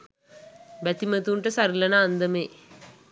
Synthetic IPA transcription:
bæt̪imət̪uɳʈəsaɾilɐnəːnd̪əmeː

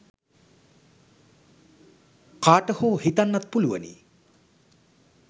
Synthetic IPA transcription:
kaːʈəhuːhit̪anːat̪̚puluʋə̰nḭ

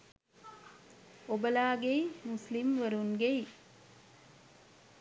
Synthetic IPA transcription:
obɐlaːɡeimuslimʋəɾuŋɡei

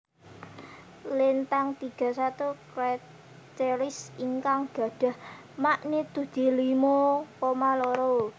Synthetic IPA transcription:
lɪnt̪aŋt̪iɡ̥a̤sat̪ukɾa | t͡ʃeɾɪsiŋkaŋɡ̥ä̤ɖ̥a̤h | maʔnit̪ud̪̥i̤limokomaloɾo

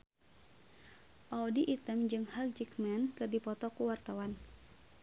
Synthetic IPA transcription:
ʔaudiʔit̪əmd͡ʒɨŋhak̚d͡ʒikmɛnkɨrdipɔt̪ɔkuwart̪awan

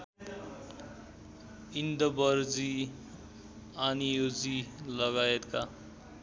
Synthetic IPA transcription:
ind̪ʌbʌɾd͡zi | anijod͡zilʌɡajet̪ka

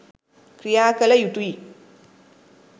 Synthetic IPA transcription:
kɾijaːkɐlɐjutui

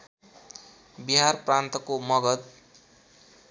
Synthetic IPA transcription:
biɦarprant̪ʌkomʌɡʌd̪̚

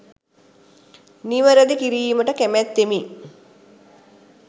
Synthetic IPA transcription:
niʋəɾəd̪ikiɾiːməʈəkæmæt̪ːemi

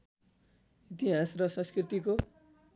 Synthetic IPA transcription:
it̪iɦasrʌsʌ̃skrit̪iko

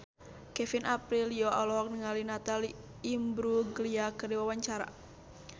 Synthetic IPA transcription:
kɛfinʔapɾiliɔalɔɦɔk̚nəŋalinat̪aliː | mbɾuɡəliakɨrdiwawaɲt͡ʃaɾa̰

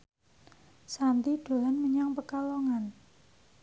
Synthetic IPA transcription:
sant̪iɖ̥o̤lanməɲaŋpəkalɔŋan

